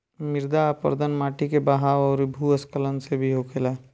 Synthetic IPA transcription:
mɪɾd̪aːpə̰ɾd̪ənmaːʈikebaɦaːwɔːɾbʱuəskələnsebʱiɦokʰela

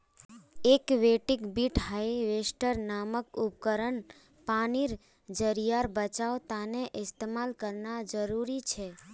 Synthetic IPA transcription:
ekʋeʈikbiʈhaiʋesʈəɾnaməkup̚kəɾəɳ | paniɾ | d͡ʒəɾijaɾbət͡ʃaot̪aneʔɪst̪emalkəɾnad͡ʒəɾuɾit͡ʃʰe

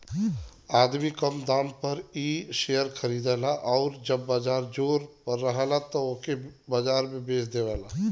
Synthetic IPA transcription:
aːd̪mikəmd̪aːmpɐɾiːʃejəɾkʰəɾiːd̪aːlaʔɔːɾd͡ʒɐbːaːd͡ʒaːɾd͡ʒoːɾpəɾːəɦalat̪ookebad͡ʒaːɾmẽbeːsd̪eʋaːlaː

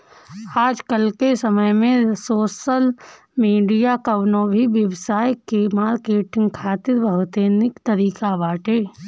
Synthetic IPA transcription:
aːd͡ʒkəlkesəməjmẽsoːʃəl | miːɖijakɐʋnõːbʱiʋjəʋsaːjkemaːɾkeːʈɪ̃ŋɡkʰaːt̪ɪɾbəɦt̪eːnɪkt̪ɐɾiːkaʋaːʈeː

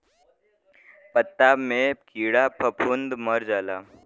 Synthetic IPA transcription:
pət̪ːaːmẽkiːɽapʰəpʰund̪məɾd͡ʒaːlaː

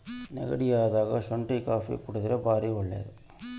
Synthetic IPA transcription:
nɛ̰ɣɐɽɪjaːʋɐðaːɣɐsɔɳʈikaːfiɐ̰kʊɽɯðɪlɐbaːɾiɐɭːɐ̰ɾ

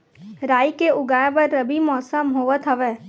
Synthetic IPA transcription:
ɾaːikeʊɡaːẽbəɾːɐbimɔːsəmɦoːʋət̪ɦəʋeː

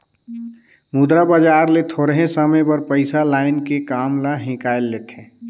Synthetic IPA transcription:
mud̪ɾabad͡ʒaːɾlet̪ʰoːɾɦẽsəmə̃pəɾpəɪsalaːɪnkekaːmlaɦɪ̃kaːjlːeːt̪ẽː

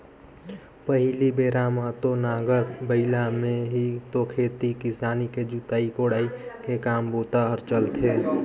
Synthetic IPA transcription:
pəɦilibeːɾaːmat̪onaːɡəɾbəɪlamẽɦit̪okʰeːt̪ikisaːniked͡ʒut̪aːikoːɽaːikekaːmboːt̪aɔɾt͡ʃəlt̪ʰeː

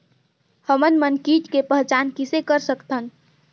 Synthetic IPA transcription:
həmənmənkiʈkepəɦt͡ʃankisekəɾsəkt̪ʰən

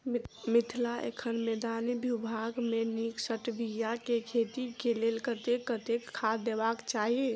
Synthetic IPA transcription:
mit̪ʰlaʔḛkʰənmed̪anibʱjubʱaɡmeniksəʈbijakekʰet̪ikelelkət̪ekːət̪ekʰːad̪ebakt͡ʃaɦi

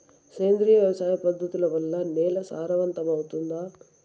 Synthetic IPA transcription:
seːnd̪ɾijʋjɐʋɐsaːjɐpɐd̪ʱːɐt̪ulɐʋɐlːɐnɛːlɐsaːɾɐʋɐnt̪ɐmɐwut̪und̪aː

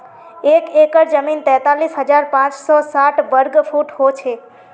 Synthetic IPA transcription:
ekekəɾd͡ʒəmint̪ɛ̃t̪alisɦəd͡ʒaɾpãt͡ʃsosaʈʋəɾɡfʰuʈɦot͡ʃʰe

